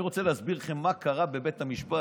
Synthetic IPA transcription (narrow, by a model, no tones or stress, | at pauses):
iʁo̞t͡selehazbiʁχemːakʰaʁabe̞bet̪hamiʃpa